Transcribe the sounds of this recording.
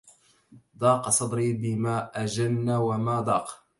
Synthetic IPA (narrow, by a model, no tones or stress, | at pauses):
d̪ˤɑːqɑsˤɑd̪ˤɾiːbɪmaːʔad͡ʒanːawamaːd̪ˤɑːq